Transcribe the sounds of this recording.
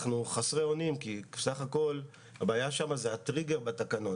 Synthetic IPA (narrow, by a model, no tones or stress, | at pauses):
χnuχasʁeo̞nimkisaχako̞l | habaːjaʃamazeat̪ʁiɡe̞ʁbat̪akano̞